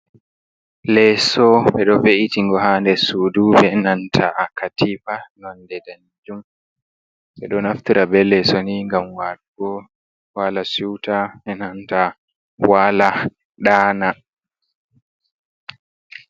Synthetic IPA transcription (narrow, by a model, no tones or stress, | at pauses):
lɛsɔɓɛɗɔveʔitiŋɡɔhandɛsudubɛnantʰaʔakʰatifanɔndɛdan | d͡ʒum | ɓɓɛɗɔnaftiɾabɛlɛsoniŋɡamwaɾuɡɔ | walasuwtaɓɛnanta | wala | ɗaːna